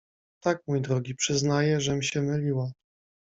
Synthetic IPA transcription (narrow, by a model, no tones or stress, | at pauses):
t̪ak̚mujd̪ɾɔɡʲipʂɘznajɛʐɛmʲɕɛmɘlʲiwa